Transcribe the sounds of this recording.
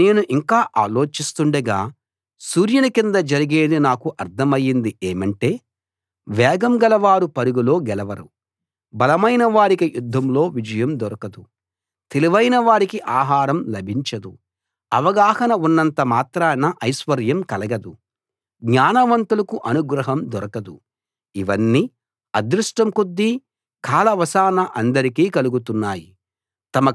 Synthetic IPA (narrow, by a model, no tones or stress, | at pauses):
ne̞ːnuʔiŋkaːʔaːlo̞ːt͡ʃist̪uɳɖɐɡaː | suːɾjɐnukind̪ɐd͡ʒɐɾiɡeːd̪inaːkuʔɐɾd̪ʰɐmɐjːind̪ieːmɐɳʈe̞ː | ʋɛːɡɐmɡɐlɐʋaːɾupɐɾuɡulo̞ːɡɛlɐʋɐɾu | bɐlɐmɐjnɐʋaːɾikɐjud̪ʱːɐmlo̞ːʋid͡ʒɐjɐmd̪ɔɾɐkɐd̪u | t̪eliʋɐjnɐʋaːɾikiʔaːɦaːɾɐmlɐbʱiɲt͡ʃɐd̪u | ɐʋɐɡaːhɐnɐunːɐnt̪ɐmaːt̪ɾɐnɐʔɐjʃʋɐɾjɐmkɐlɐɡɐd̪u | ɡɲaːnɐʋɐnt̪ulɐkuʔɐnuɡɾɐɦɐmd̪ɔɾɐkɐd̪u | iʋɐnːi | ɐd̪ɾuʂʈɐmkud̪ːi | kʰaːlɐʋɐsaːnɐʔɐnd̪ɐɾikiːkɐluɡut̪unːaːji | t̪ɐmɐ